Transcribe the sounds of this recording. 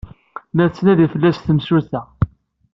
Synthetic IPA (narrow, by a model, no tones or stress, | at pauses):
mæt͡sːnæðifəlːæsθəmsuθæ